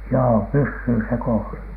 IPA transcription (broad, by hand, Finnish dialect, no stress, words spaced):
joː pysːyː se koːsɑ